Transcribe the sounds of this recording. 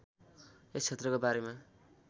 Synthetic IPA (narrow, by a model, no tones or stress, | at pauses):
est͡sʰet̪rʌkobaɾema